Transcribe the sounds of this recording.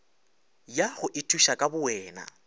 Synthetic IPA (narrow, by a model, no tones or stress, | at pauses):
jaχʊʔɪtʰʼuʃakʼabʊwɛːna̰